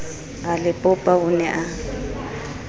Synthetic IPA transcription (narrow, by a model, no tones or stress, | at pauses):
ɣalɪpʼʊpʼaʊnɛʔa